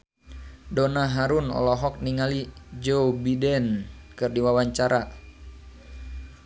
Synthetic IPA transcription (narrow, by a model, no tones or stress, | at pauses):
dɔnaɦaɾunɔ̰lɔɦɔk̚niŋalid͡ʒobidɛnkɨrdiwawaɲt͡ʃaɾa